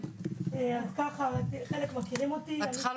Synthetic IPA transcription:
eadkaχatχe̞le̞kmakiʁimo̞t̪ian

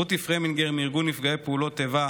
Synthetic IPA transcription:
ut̪ifʁeminɡeʁmiʁɡunːifɡaepeulo̞t̪ːeva

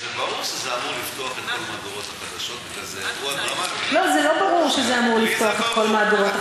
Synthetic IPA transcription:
zebaʁuʁʃezeamuʁlift̪o̞aχet̪ko̞lmad̪oʁot̪haχad̪aʃo̞t̪kazeuad̪ʁamalo̞zelo̞baʁuʁʃezeamuʁlift̪o̞aχet̪̚ko̞lmaːd̪oʁot̪

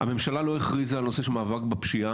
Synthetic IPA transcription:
ame̞mʃalalo̞eχʁizaːno̞se̞ʃemaːvakbapʃia

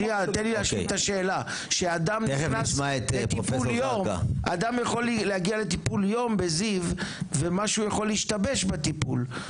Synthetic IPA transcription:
iat̪enlilaʃtaʃeːla | ʃead̪ameχenaʃmaet̪lepiofulsjomɡa̰ʔa̰d̪amjaχo̞liːehaɡiale̞t̪ipuljombezivvemaʃujaχo̞lːeiʃt̪abeʃbet̪ipul

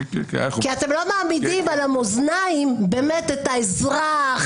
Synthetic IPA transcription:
kiat̪emlo̞maːmidimalamoznaimbemet̪et̪aezʁaχ

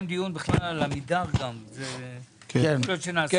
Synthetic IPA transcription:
md̪ijunbiχlalːamid̪aʁɡamze | kenlot͡ʃenaː

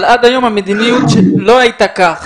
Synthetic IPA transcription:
lad̪ajo̞mhamed̪inijut̪ʃelo̞ajt̪akaχ

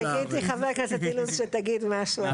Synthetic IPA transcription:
aɡit̪iχavɛʁknasɛt̪iluzʃɛt̪aɡid̪maʃu

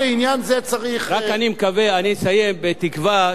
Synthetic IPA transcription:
einjanzet͡saʁiχʁakanimkaveanisaje̞mbet̪ikva

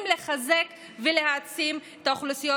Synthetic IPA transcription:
mleχaze̞k | vele̞hat͡simet̪aoχlusijo

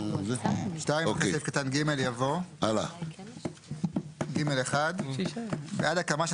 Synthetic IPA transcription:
zʃtajmokeesefkat̪anɡimeljavo̞ala̰ | ɡime̞leχad̪ | beʔad̪akamaʃ

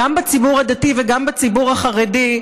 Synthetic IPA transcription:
ambet͡sibuʁad̪ativeɡambet͡sibuʁaχaʁedi

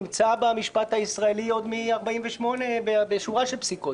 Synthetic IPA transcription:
mt͡sabamiʃpat̪haisʁaelio̞d̪miaʁbaimveʃmo̞ne̞bebeʃuʁaʃelpsiko

